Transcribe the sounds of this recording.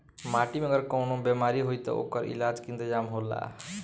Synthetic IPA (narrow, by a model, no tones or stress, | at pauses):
maʈimeəɡəɾkəʊnobjemaɾiɦojt̪ɔ̰o̰kəɾḭlad͡ʒkint̪əd͡ʒamɦola̰